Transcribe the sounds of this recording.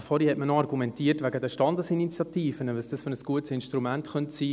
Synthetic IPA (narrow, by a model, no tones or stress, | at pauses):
fɔɾihɛtmənoɑrɡumɛntiːəɾtvæɡədəʃtɑndəsinit͡sjɑtiːfənəʋɑsd̥ɑsfønəsɡ̥uətsɪnʃtɾumæntχœntsiː